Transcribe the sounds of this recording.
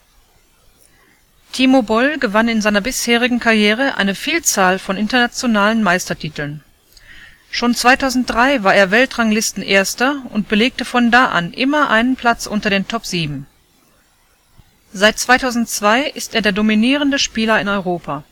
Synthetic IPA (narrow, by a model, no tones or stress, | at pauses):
tʰiːmobɔlɡəvanɪnzaɪnɐbɪsheːʁ̞ɪɡŋ̩kʰaʁjeːʁ̞əʔa̰ɪnəfiːlt͡saːlfɔnɪntɐnat͡sjonaːlənmaɪstɐtʰiːtl̩n | ʃoːnt͡sv̥aɪtʰaʊzn̩t̚d̥ʁaɪvaːɐeːɐvɛltʁ̥aŋlɪstn̩ʔeːɐstɐʊnt̚b̥əleːk̚təfɔndaʔa̰nʔɪmɐʔa̰ɪnənpʰl̥at͡sʔʊ̰ntɐɾeːntʰɔpz̥iːbm̩ | zaɪt̚t͡sv̥aɪtʰaʊzn̩tt͡sv̥aɪʔɪsteːɐdeːɐdominiːʁ̞əndəʃpiːlɐɪnɔʏʁoːpʰa